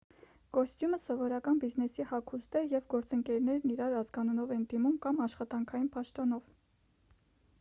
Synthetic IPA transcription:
ɡ̥ɔst̪juməsɔvɔɾɑkɑnbiznɛsihɑkʰust̪ɛjɛvɡɔɾt͡səŋkɛɾnɛɾniɾɑɾɑzɡɑnunɔvɛnd̪imumkɑmɑʃχɑt̪ɑŋkʰɑjinpɑʃt̪ɔnɔv

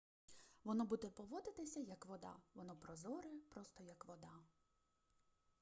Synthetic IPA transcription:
ʋɔnɔbud̪ɛpɔʋɔd̪ɪt̪ɪsʲɐjɐkʋɔd̪ɑ̰ʋɔnɔpɾɔzɔɾɪpɾɔst̪ɔjɐkʋɔd̪ɑ

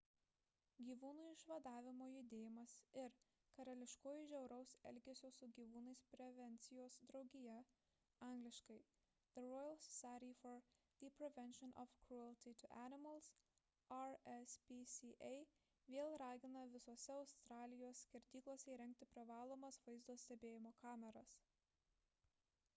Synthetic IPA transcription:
ɡʲiːʋuːnuːɪʃʋɐd̪ɑːʋʲɪmoːjʊd̪ʲeːjɪmɐsɪɾ | kɐɾɐlʲɪʃkoːjʊʒʲɛʊɾɐʊsɛ̰lʲɡʲɛsʲoːsʊɡʲiːʋuːnɐɪspʲɾʲɛʋʲɛnʲt̪sʲɪjoːsd̪ɾɒʊɡʲɪjɛ | ɑŋɡlʲɪʃkɐɪ | ðɨɾɔːjɛlˠssɑɾʲifɔɾ | ðipʲɾʲɛʋʲɛnʲʃɔnʔɔ̰fkɾuɛlʲˠt̪ʲit̪ʲʊʔænʲɪmɐlˠs | ɐɾɛspʲisʲiʔɛɪ | ʋʲeːlˠɾɑːɡʲɪnɐʋʲɪsoːsʲɛɒʊst̪ɾɑːlʲɪjoːsːʲkʲɛɾʲd̪ʲiːklˠoːsʲɛiɾʲɛŋʲk̚t̪ʲɪpʲɾʲɪʋɑːlˠoːmɐsʋɐɪzd̪oːsʲt̪ʲɛbʲeːjɪmoːkɑːmʲɛɾɐs

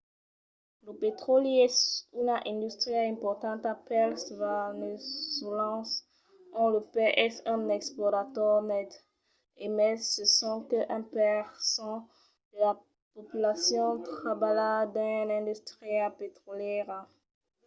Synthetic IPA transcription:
ləpet̪χɔlɛsynɛ̃d̪yst̪χjaɛ̃pɔʁt̪ɑ̃t̪apɛlsvanesolɑ̃s | ɔ̃ləpeʔɛsɛ̃nɛksplɔʁat̪ɔʁmɛt̪ | emɛsəsɔ̃kəʔɛ̃pɛʁsɑ̃ | d̪̥əla | pɔpylasjɔ̃t̪χabalad̪ɛ̃nɛ̃d̪yst̪ʁiapet̪χɔljɛʁ

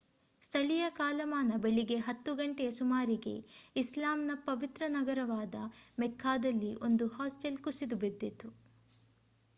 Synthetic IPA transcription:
st̪ʰɐɭijɐkaːlɐmaːnɐbeɭiɡe̞ɦɐt̪ːuɡɐɳʈɛjɐsumaːɾiɡe̞̰islaːmnɐpɐʋit̪ɾɐnɐɡɐɾɐʋaːd̪ɐmɛkʰːaːd̪ɐlːiʔo̞nd̪uhaːsʈelkusid̪ubed̪ːet̪u

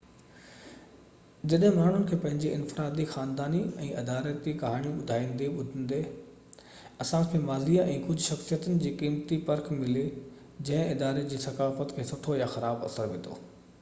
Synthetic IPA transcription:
d͡ʑɐɗɦɪ̃maːɳ̤ʊnɪ̆kʰeːpɐ̃ɦɪ̃ɲd͡ʑiʔɪ̃nfɪɾaːd̪ixaːnd̪aːniɛ̃ːʔɐd̪aːɾət̪ikɐɦaːɽ̃ijũɓʊd̪ʱaːĩːnd̪iɓʊd̪ʱə̃n̆d̪e | ɐsãkʰeːmaːziːaʔɛ̃ːkʊd͡ʑʱʃɐxsijət̪ʊnɪ̆d͡ʑiːkiːmt̪ipɐɾkmɪle | d͡ʑɐ̃ɦɪ̃ɪd̪aːɾed͡ʑiːsɐkaːfət̪kʰeːsʊʈʰojaxɐɾaːbɐ̰səɾʋɪ̰̃nd̪o̰ː

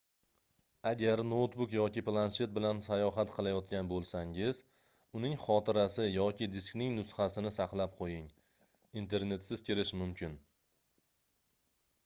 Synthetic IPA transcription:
aɡʲaɾnot̪bʊkjɒkʲɪplˠanʃe̞t̪̚bɪlansajɒɦat̪qʰɨlˠajɒt̪̚kʲʰanbolˠsaŋɪz | ʊnɪŋχɒt̪ʰɪɾasɪjɒkʲɪd̪ɪsknɪŋnʊsχasɪnɪsaqlˠap̚qʰojɪŋ | int̪ʰe̞ɾne̞t̪sɪz̥kʲʰeɾɪʃmʊmkʲʰɪn

